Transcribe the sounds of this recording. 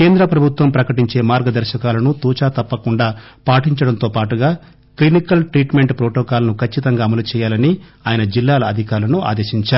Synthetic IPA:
ke̞ːnd̪ɾɐpɾɐbʱut̪ʋɐmpɾɐkɐʈiɲt͡ʃe̞ːmaːɾɡɐd̪ɐɾʃɐkaːlɐnut̪uːt͡ʃaːt̪ɐpːɐkuɳɖaːpaːʈiɲt͡ʃɐɽɐnt̪oːpaːʈuɡaː | klinikɐlʈɾiːʈme̞ɳʈpɾoːʈɔːkaːlɐnukʰɐt͡ʃːit̪ɐŋɡaːmɐlut͡ʃɛːjaːlɐniaːjɐnɐd͡ʒilːaːlɐɐd̪ʱikaːɾlɐnuʔa̰ːd̪eːʃiɲt͡ʃaːɾu

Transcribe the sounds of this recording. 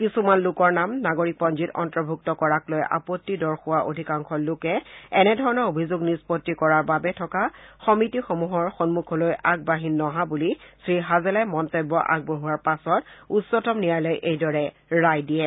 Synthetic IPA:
kisumanlʊkɔɹnamnaɡoɹik̚pɔnd͡ʒitɔ̰ntɹɔbʱuk̚tɔkɔɹaklojʔa̰potːidɔɹxʊwaʔo̰dʱikaŋxɔlʊkɛɛnɛdʱɔɹɔnɔɹobʱizoɡnispɔtːikɔɹaɹbabɛtʰɔkaxɔmitixomuɦɔɹxɔnmukʰɔlojʔaɡ̚baɦinːɔɦabulisɹiɦazɛlamɔntɔbːɔʔa̰ɡ̚boɦuwaɹpasɔtutsɔtɔmnijajlɔjʔejdɔɹɛ | ɹajdijɛ

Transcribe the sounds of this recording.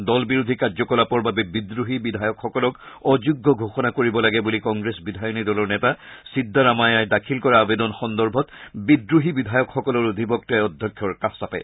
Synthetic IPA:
dɔlbiɹud̪ʱikaɹzɔkɔlapɔɹbabɛbidɹuɦibidʱajɔkxɔkɔlɔkɔzuɡːɔɡʱoxɔnakoɹibɔlaɡɛbulikɔŋɡɹesbidʱajɔnidɔlɔɹnɛtasidʱːaɹamajajdakʰilkɔɹaːbed̪ɔnxɔndɔɹbʱɔtbidɹuɦibidʱajɔkxɔkɔlɔɹod̪ʱibɔk̚tajɔd̪ʱjɔkʰjɔɹkasapɛ̰

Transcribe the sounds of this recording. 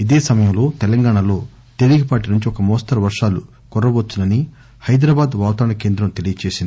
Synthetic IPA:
id̪eːsɐmɐjɐmlo̞ːt̪ɛlɐŋɡaːɳɐlo̞ː | t̪e̞ɾiɡipaːʈinuɲt͡ʃiɔkɐmɔːst̪ɐɾɐʋɐɾʂaːlu | kɔɾːɐbot͡ʃ̪ːunɐni | hɐjd̪ɾaːbaːd̪ʋaːwt̪aːɾɳɐke̞ːnd̪ɾɐmt̪e̞lijɐt͡ʃe̞ːsind̪i

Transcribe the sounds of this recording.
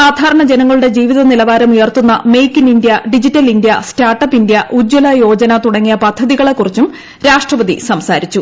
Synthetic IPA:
saːd̪ʱaːɾɐɳɐd͡ʑe̞nɐŋːɐɭuɽe̞d͡ʑiːʋiðɐnilɐʋaːɾɐmujɐrt̪unːɐme̞jkːinindjɐɖid͡ʑitːɐlindjɐstaːrʈːɐpːindjɐʔud͡ʑːɐlɐjo̞ːd͡ʑɐnɐt̪uɽɐŋːijɐpɐd̪ʱːɐðiɣɐɭe̞kːurit͡ɕːum | ɾaːʂʈrɐʋɐðḭsɐmsaːɾit͡ɕːu

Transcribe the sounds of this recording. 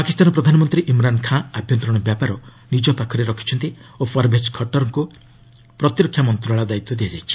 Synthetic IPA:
pakist̪anɔpɾɔd̪ʱanɔmɔnt̪ɾiʔimɾankʰãabʱjɔnt̪ɾɔɽ̃ɔbjapaɾɔ | nid͡ʒɔpakʰɔɾeɾɔkʰi̥t͡ʃʰɔnt̪iopʰɔɾbʱeskʰɔʈɔɾɔŋku | pɾɔt̪iɾɔkʰːjamɔnt̪ɾaɭad̪ait̪ːɔd̪iad͡ʒajt͡ʃʰi̥

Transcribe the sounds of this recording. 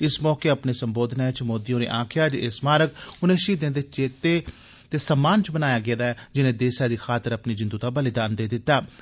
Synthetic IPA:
ɪsmɔːkeːəpneːsəmboːd̪naːt͡ʃmoːd̪iːõːɾḛːʔãːkʰɪjaːd͡ʒʔeːsmaːɾəkʊnẽːʃiːd̪ẽːd̪eːt͡ʃeːt̪eː | t̪eːsəmaːnt͡ʃbənaːjaːɡɪːd̪aːɛd͡ʒɪnẽːd̪eːsaːd̪iːxʰaːt̪əɾəpniːd͡ʒɪnd̪ut̪aːbəlɪd̪aːnd̪eːd̪ɪt̪ːaː

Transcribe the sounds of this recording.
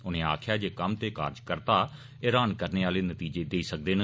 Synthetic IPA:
ʊnẽːa̰ːkʰjaːd͡ʒeːkəmt̪eːka̰ːɾd͡ʒkəɾt̪aː | eːɾaːnkəɾneːaːleːnət̪iːd͡ʒeːd̪eːiːsək̚d̪eːnə

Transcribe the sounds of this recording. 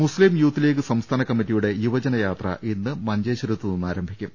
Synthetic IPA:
muslimjuːt̪ːile̞ːk̬ːɨsɐmst̪ʰaːnɐkɐmːitːijuɽe̞juʋɐd͡ʑɐnɐjaːt̪rɐ̰ʔenːɨmɐɲd͡ʑeːɕɐɾut̪ːɨnunːaːɾɐmbʱikʲːum

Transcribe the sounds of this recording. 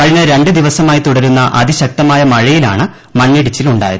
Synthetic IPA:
kɐɻiɲːɐɾe̞ɳɖɨd̪iʋɐsɐmaːjit̪uɽɐɾunːɐʔɐ̰ðiɕɐk̚t̪ɐmaːjɐmɐɻɐjila̰ːɳɨ | mɐnːiɽit͡ɕːiluɳɖa̰ːjɐ̰ð

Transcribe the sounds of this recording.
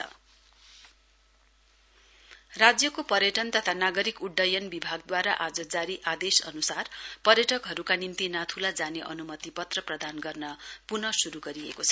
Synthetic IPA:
ʌ̰ | rad͡zjʌkopʌɾjʌʈʌnt̪ʌt̪ʰanaɡʌɾikuɖːʌjʌnbibʱaɡd̪waɾaʔad͡zʌd͡zaɾiʔad̪esʌ̰nusarpʌɾjʌʈʌkɦʌɾukanint̪inat̪ʰulad͡zaneʔʌnumʌt̪ipʌt̪rʌprʌd̪ʱanɡʌrnʌpunʌsuɾuɡʌɾiekot͡sʰʌ̥

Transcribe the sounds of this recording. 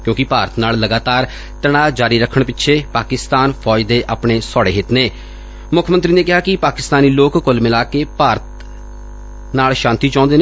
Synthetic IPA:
kjõːkɪpaːɾət̪naːlləɡaːt̪aːɾ | t̪əɽ̃aːd͡ʒaːɾiːɾəkʰːəɳpɪtːʃʰeːpaːkɪst̪aːnpʰɔːd͡ʒd̪eːʔaːpɳeːsɔːɽḛːɦɪt̪neː | mʊkʰmənt̪ɾiːneːkɪɦaːkɪpaːkɪst̪aːniːloːkkʊlmɪlaːkeːpaːɾət̪ | naːlʃãːnt̪iːt͡ʃãːnd̪eːne

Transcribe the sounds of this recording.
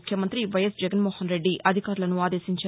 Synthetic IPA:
kʰjɐmɐnt̪ɾiʋɐjɐsd͡ʒɛɡɐnmoːhɐnɾe̞ɖːiʔɐd̪ʱikaːɾulɐnuaːd̪e̞ːsiɲt͡ʃ

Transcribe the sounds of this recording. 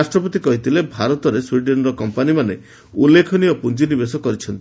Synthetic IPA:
asʈɾɔpɔt̪ikɔɦit̪ʰilebʱaɾɔt̪ɔɾeswiɖenɔɾɔkɔmpanimane | ulːekʰɔniɔpunt͡ʃinibesɔkɔɾit͡ʃʰɔnt̪ii

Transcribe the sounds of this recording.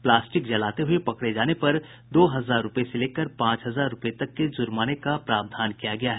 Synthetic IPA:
plaːsʈɪkd͡ʒɐlaːt̪eɦʊepɐkɽed͡ʒaːnepɐɾ | d̪oːɦɐzaːɾːʊpeseleːkəɾpãːt͡ʃɦɐzaːɾːʊpet̪ɐkːed͡ʒʊɾmaːnekapɾaːbd̪ʱaːnkijaɡɐjaɦɛ

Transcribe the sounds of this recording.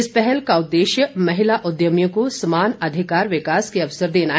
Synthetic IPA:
ɪspɛɦɛlkaʊd̪ːeːʃjəmɐɦɪlaʔʊd̪jəmjõkosɐmaːnɐd̪ʱɪkaːɾʋɪkaːskeɐʋsəɾd̪eːna

